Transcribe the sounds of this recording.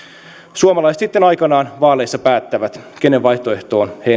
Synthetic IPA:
suomɑlɑjset̪sit̪ːe̞nɑjkɑnɑːnʋɑːle̞jsːɑpæːt̪ːæʋæt̪keneʋʋɑjht̪o̞e̞ht̪o̞ːnhe

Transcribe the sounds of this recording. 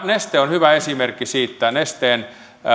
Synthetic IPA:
nest̪eːonhyʋæesimerkːisiːt̪ːænest̪eːn

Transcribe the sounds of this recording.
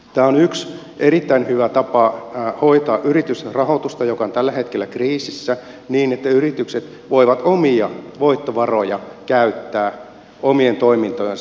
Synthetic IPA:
t̪æːonyks | ʔeɾit̪ːæinhyʋæt̪ɑpɑho̞it̪ɑːʔyrit̪yserɑhot̪ust̪ɑjo̞kɑont̪ælːæhet̪kelːækriːsisːæ | niːnet̪ːæyrit̪ykset̪ | ʋoiʋɑt̪omiɑʋoit̪ːoʋɑrojɑkæyt̪ːæː | omient̪oimint̪ojen

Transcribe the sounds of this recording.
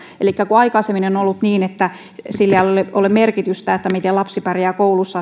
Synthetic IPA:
elikːækuɑikɑisemːinenonolːut̪niːnet̪ːæ | silːæloleolemerkit̪yst̪æet̪ːæmit̪elɑpsipærjæːkoulusːɑ

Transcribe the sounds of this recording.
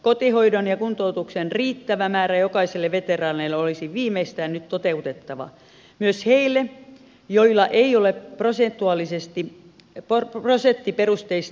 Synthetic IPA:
kot̪ihoidonjɑkunt̪out̪uksenriːt̪ːæʋæmæːræjokɑiselːeʋet̪erɑːneilːeolisiʋʋiːmeist̪æːnnyt̪t̪ot̪eut̪et̪ːɑʋɑ̰ | myøsheilːˑe | joilːˑɑʔeioleprosent̪ːˑuɑˑlisest̪i | poroset̪ːiperust̪eist̪

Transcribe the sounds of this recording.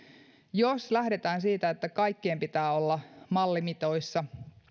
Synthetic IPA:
joslæhɾe̞t̪æːnsiːt̪æet̪ːækɑjkːiempit̪æːo̞lːɑmɑlːimit̪o̞isːɑ

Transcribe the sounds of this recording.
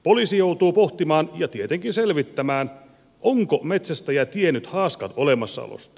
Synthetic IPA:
polisijowt̪uːpoht̪imɑːnjɑt̪iet̪eŋkinselʋit̪ːæmæːn | ʔoŋkomet̪sæst̪æjæt̪ienːyt̪hɑːskɑt̪olemɑsːɑ̰o̰lo̰st̪ɑ̥

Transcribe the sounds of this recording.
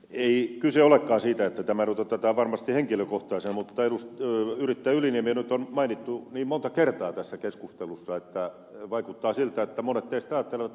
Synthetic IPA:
eikyseolekːɑːsiːt̪æet̪ːæt̪æmænut̪ot̪æt̪æʋɑrmɑst̪iheŋkiløkoht̪ɑisemmut̪ːɑelustːyrit̪ːæːyliniemienyt̪onmɑinit̪ːuniːmmont̪ɑkert̪ɑːt̪æsːækeskust̪elusːɑet̪ːæ | ʋɑikut̪ːɑːsilt̪æet̪ːæmonet̪ːeist̪ɑːt̪ːeleʋɑt̪

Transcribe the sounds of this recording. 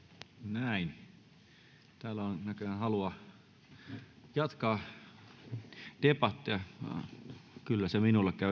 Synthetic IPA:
næin | t̪æːlæonnækøænhɑluɑ | jɑt̪kɑː | t̪epɑt̪ːjɑ̰ | kylːæseminulːekkæʋ

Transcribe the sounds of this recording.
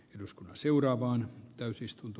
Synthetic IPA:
eduskunːɑseurɑːʋɑːnt̪æysist̪unt̪u

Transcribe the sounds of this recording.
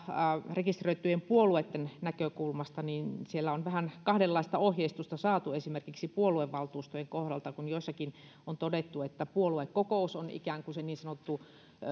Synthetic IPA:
rekist̪røit̪ːˑyjempuoluet̪ːennækøkulmɑst̪ɑniːnsielːæonʋæhænkɑhdelːɑist̪ɑohjeist̪ust̪ɑsɑːt̪uesimerkiksipuolueʋːɑlt̪uːst̪ojeŋkohdɑlt̪ɑkunjoisːɑkin | ont̪odet̪ːuet̪ːæpuoluekkokoˑusonḭkæŋkuseniːnsɑnot̪ːu

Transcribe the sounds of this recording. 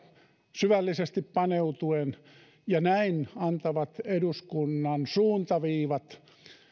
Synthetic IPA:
syʋælːisest̪ippɑneut̪uen | jɑnæinɑnt̪ɑʋɑt̪eduskunːɑnsuːnt̪ɑʋiːʋɑt̪

